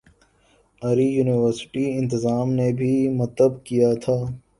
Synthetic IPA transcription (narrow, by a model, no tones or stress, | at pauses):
ɐɾijuːnɪʋəɾsɪ̥ʈiɪ̃nt̪ɪzaːmnebʱimɐt̪əbkijat̪ʰaː